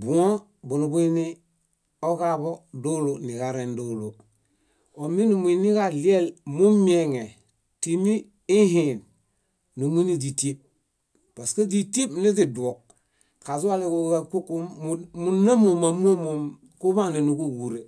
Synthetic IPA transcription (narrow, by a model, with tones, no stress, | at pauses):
bu˨ŋo˦ | bu˨nu˨bu˦i˦ni˦ | o˦ka˦bo˦du˦lu˨ni˨ka˨ɾe˨ndu˦lu˨ | o˨mi˦nu˨mu˨i˨ni˦ka˨li˦e˦lmu˦mi˦e˦˨ŋe˨ | ti˨niː˦ | ɦi˨n | nu˨mu˦ni˦di˨ti˦p̚ | pa˨ske˦di˦ti˦pni˦zi˨du˨o˨k̚ | ka˨su˦wa˦le˦ku˦a˦ku˦ku˦mu˦na˦mo˨ma˨mu˦o˦mo˨m | ku˦βa˦ne˨nu˨ku˦ɡu˨ɾe˨